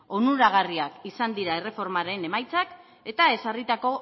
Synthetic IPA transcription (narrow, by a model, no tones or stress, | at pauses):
onuɾaɣ̞ariakisand̪iɾae̞re̞fo̞ɾmaɾe̞ne̞majt͡sak | e̞t̪ae̞sarit̪ako̞